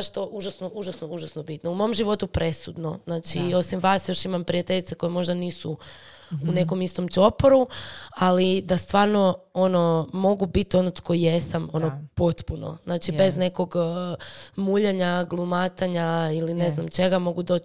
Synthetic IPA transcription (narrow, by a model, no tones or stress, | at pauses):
ʃt̪oʔuʒasnoʔuʒasnouʒasnobit̪noumomʒiʋo̞t̪upɾe̞sud̪noznaːt͡ʃio̞simʋaːsjo̞ʃimampɾijat̪eʎit̪eko̞jemo̞ʒd̪aniːsu | une̞ko̞mist̪omt͡ʃo̞poɾualid̪ast̪ʋaːɾno̞ono̞mo̞ɡubit̪io̞not̪kojesamo̞nopot̪puno̰znaːt͡ʃibe̞zne̞ko̞ɡ | muʎaɲaɡlˠumat̪aɲailineznamt͡ʃe̞ɡamo̞ɡud̪o